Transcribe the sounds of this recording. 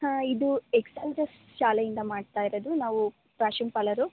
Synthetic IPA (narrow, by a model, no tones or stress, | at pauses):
haːid̪ueksɐŋɡɾɐs | ʃaːlɐjind̪ɐmaːɖt̪aːjiɾod̪unaːʋu | pɾaːʃimpɐlɐɾu